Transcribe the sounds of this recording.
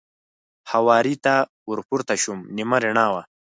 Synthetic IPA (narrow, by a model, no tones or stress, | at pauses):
hawɑːɾit̪a | uɾpuɾt̪aʃumnimaɾiɳaːwa